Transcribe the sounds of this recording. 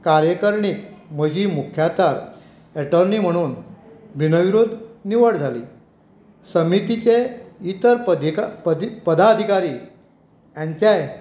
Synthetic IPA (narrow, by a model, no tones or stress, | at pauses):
kaɾjəkəɾɳikm̤əd͡ʑiːmukʰjat̪aɾ | ɛʈəɾnim̤əɽ̃uːnbʱinəʋiɾod̪ʱniʋəɽd͡zʱalḭː | səmit̪it͡ɕeit̪əɾd̪k̪pəd̪aəd̪ʱikaɾiː | jãɲt͡ɕjaj